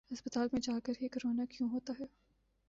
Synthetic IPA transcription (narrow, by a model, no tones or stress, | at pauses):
ɦɐspət̪aːlmẽd͡ʒaːkəɾkekɐɾoːnakjũːɦoːt̪aɦɛː